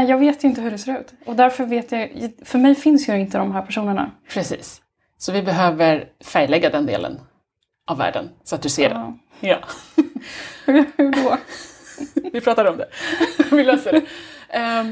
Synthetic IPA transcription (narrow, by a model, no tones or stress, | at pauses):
nɛjɑːɡveːt̪jɵɪnt̪əɦɵɖɛseːɾʉ̟ːt̪ɔd̪æɾfœɾveːt̪jɑfœɾmɛjfɪnsjɵɪnt̪əd̪ɔmɦæːɾpʰæʂuːnəɳa̰pʰɾɛsḭːs | sɔvɪbɛɦøːvəɾ | fæɾjlɛɡːad̪ɛnd̪ḛːlə̰n | ʔavːæ̰ːɖə̰nsɔat̪̚d̪ɵseːɖɛ | jɑː | hʉhʉɖɔ | vɪpʰɾɑːt̪ad̪əɔmd̪ɛvɪløːsad̪ɛ